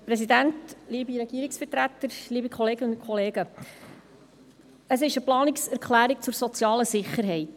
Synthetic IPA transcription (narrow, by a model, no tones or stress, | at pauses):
pɾɛsidæntliːbiɾɛɡ̥iːɾiksfətɾæt̪ːəɾliːbikχɔleːɡəʊnkʰχɔleːɡə | əsɪʃəplɑːnɪksæɾkχlæːɾik̚t͡sʊɾsɔt͡sjɑːləsɪχːəɾɦɛɪt